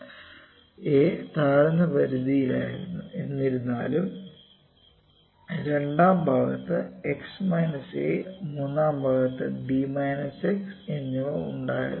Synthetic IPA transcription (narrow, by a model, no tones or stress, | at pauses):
eːt̪aːɾɐnɐpɐɾud̪ijila̰ːjḭɾuenːiɾunːa̰ːlum | ɾe̞ɳɖaːmbʱaːɣɐ̰t̪ːɨeksmɐjnɐsḛːmuːnːaːmbʱaːɣɐt̪ːɨ̰bimɐjnɐseksenːouɳɖa̰ːjḭ